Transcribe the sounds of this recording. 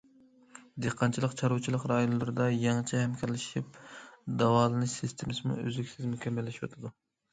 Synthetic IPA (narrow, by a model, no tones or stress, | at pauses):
d̪eqʰːɑnt͡ʃʰilˠəqt͡ʃʰɑɾuwt͡ʃʰilˠəqɾɑjonlˠɨɾɨd̪ɑjɑŋt͡ʃʰɛhɛmkʲʰɛɾlɪʃip̚d̪ɑwɑːlˠɨnɨʃsist̪ʰemɪsɨmṵø̰zykʲsɪzmykʲʰɛmːɪlːɪʃwo̰t̪ʰɨd̪u